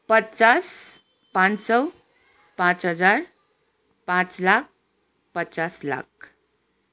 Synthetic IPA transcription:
pətːt͡ʃas | pãnsʌ | pãt͡sɦʌd͡zaɾ | pãt͡slak̚ | pətːt͡ʃasla̰k̚

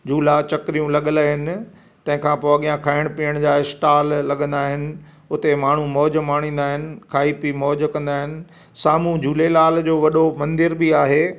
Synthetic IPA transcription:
d͡ʑʱuːlat͡ɕɐkɾijũlɐɠəlaɦɪnɪ̆ | t̪ɐ̃ɦɪ̃kʰãpoːɐɠijãkʰaːɪɽ̃piːəɽ̃d͡ʑaːɪsʈaːlːɐɠə̃nd̪aːɦɪnɪ̆ | ʊt̪emaːɳ̤umɔːd͡ʑmaːɽ̃ĩːn̆d̪aːɦɪnɪ̆kʰaːipimɔːd͡ʑkɐ̃nd̪aːɦɪnɪ̆ | saːmũd͡ʑʱuːlelaːld͡ʑoːʋɐɗomɐ̃nd̪ɪɾbiaːɦeː

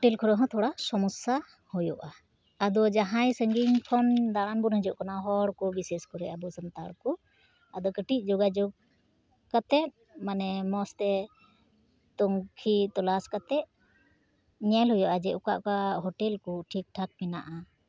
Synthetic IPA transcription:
ʈɛlkʰɔɾɔɦɔ̃t̪ʰɔɽasɔmɔsa | hujɔʔaː | d̪ɔd͡ʒaɦãjsəŋɡiɲkʰɔnd̪aɽanbɔnɦəd͡ʒɔʔkɔnaɦɔɽkɔbisɛskɔɾɛʔabɔsənt̪aɽkɔ | ad̪ɔkəʈic̚ˀd͡ʒɔɡad͡ʒɔɡ̚ | kat̪ɛt̪̚ | manɛmɔst̪ɛ | t̪ɔŋkʰit̪ɔlaskat̪ɛt̪̚ | ɲɛlɦɔjɔʔad͡ʒɛʔuka̰ʔkaɦɔʈɛlkɔʈʰik̚ʈʰak̚mɛna̰ʔa

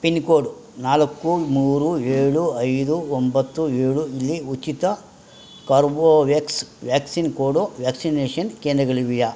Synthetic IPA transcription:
pinkoːɽunaːlɐkːumuːɾueːɭuɐjd̪uombɐt̪ːueːɭuilːiut͡ʃit̪ɐ | kɐːɾboːʋeːksʋjaːksinkoːɽoʋjaːksineːʂɐnkeːnd̪ɾɐɡɐɭiʋijɐ

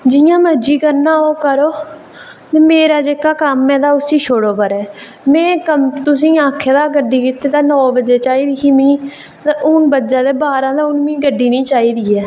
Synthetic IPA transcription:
d͡ʒɪjãːməd͡ʒiːkəɾnaːoːkəɾoː | t̪eːmeːɾaːd͡ʒeːkaːkəmːɛ̃ːd̪aːʊsiːʃʰoɽoːpəɾɛː | mɛ̃ːkəmt̪ʊsĩːãːkʰːeːd̪aːɡəɖiːkɪt̪eːt̪ãːnɔːbəd͡ʒeːt͡ʃaːiːd̪ikiːmĩː | t̪aʔʊnbəd͡ʒãːd̪eːbaːɾãːd̪aːʊnmĩːɡəɖːiːnĩːt͡ʃaːiːd̪iːɛː

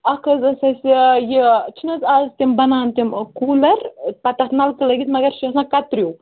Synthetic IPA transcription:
ɐkʰɐzɐsɐsijit͡ʃʰinɐzazt̪imbɐnaːnt̪imkuːlɐɾpɐt̪ɐxnɐlkɨlɐɡit̪mɐɡɐɾʃisãːkɐt̪ɾʲju

